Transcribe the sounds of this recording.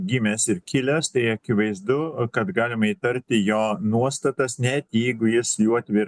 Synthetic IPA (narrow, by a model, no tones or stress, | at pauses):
ɡʲimʲɛsɪɾkʲɪlʲɛst̪ɐɪɐkʲɪʋɐɪzd̪ʊkɐt̪ɡɑːlʲɪmɐiːt̪ɐɾʲt̪ʲɪjoːnuɔst̪ɐt̪ɐsnʲɛt̪jɛɪɡʊjɪsjuɐt̪ʲʋʲɪɾ